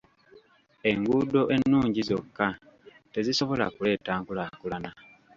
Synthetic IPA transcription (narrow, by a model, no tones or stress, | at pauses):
e̞ŋɡudo̞ʔe̞nːuːɲɟizo̞kːa | te̞ziso̞βo̞la̰kule̞ːtaːŋkulakulana